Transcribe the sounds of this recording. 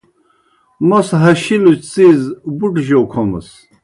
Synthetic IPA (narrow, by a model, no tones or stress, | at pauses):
mɔsɦaʃilut͡sʼizbuʈʒɔkʰɔmə̰s